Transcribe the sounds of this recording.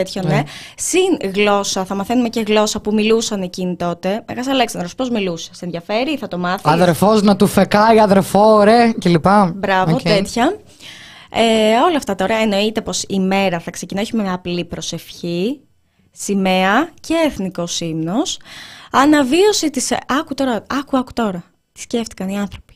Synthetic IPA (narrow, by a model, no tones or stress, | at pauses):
et̪çonesinɣlo̞sɐθɐmɐθe̞numece̞ɣlo̞sɐpumilusɐne̞cinit̪o̞t̪e̞meɣɐsɐle̞ksɐnd̪ɾospo̞zmiluse̥senðʝɐfe̞ɾiθɐt̪o̞mɐθiɐðeɾfoznɐt̪ufekɐiɐðeɾfoɾecelipɐbɾɐvoet̪çɐ | eo̞lɐft̪ɐt̪oɾɐeno̞it̪e̞po̞sime̞ɾɐθɐkse̞cinɐçumeɐplipɾo̞se̞fçi | simeɐceːθniko̞simno̞sɐnɐvio̞sit̪isɐkut̪o̞ɾɐɐkuɐku̥t̪o̞ɾɐ | t̪i̥sce̞ft̪i̥kɐniɐnθɾo̞pi̥